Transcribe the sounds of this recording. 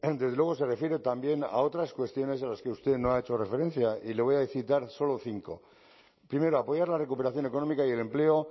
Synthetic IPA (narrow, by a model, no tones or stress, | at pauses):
d̪e̞zðelwe̞ɣ̞o̞se̞re̞fje̞ɾet̪ambje̞na̰o̞t̪ɾaskwe̞st̪jo̞ne̞s̬alaske̞ust̪e̞no̞aet͡ʃo̞re̞fe̞ɾe̞n̟θjaile̞βo̞jaeθit̪aɾso̞lo̞θiŋko̞ | pɾime̞ɾoapo̞ʝaɾlarekupe̞ɾaθjo̞ne̞ko̞no̞mikaie̞le̞mple̞o̞